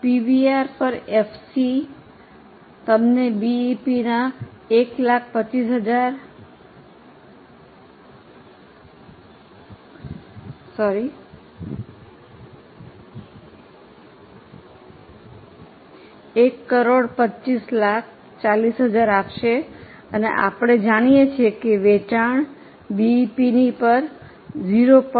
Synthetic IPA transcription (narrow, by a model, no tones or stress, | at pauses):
piʋiaɾpəɾefʰsi | t̪əmnebiipinaeklakʰpət͡ʃːisɦəd͡ʒaɾ | sɔɾi | ekːəɾoɽpət͡ʃːt͡ʃislakʰ | t͡ʃalisɦəd͡ʒaɾapʃe | ənḛʔa̰pɽ̃ed͡ʒaɽ̃ijet͡ʃʰekeʋet͡ʃaɳ̃ | bipinipəɾ | d͡ʒiɾop